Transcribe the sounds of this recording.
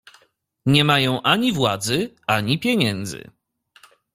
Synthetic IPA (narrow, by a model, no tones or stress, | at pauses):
ɲɛmajɔ̃w̃ʔaɲivwad̪zɘ | aɲipʲjɛɲɛnd̪zɘ̰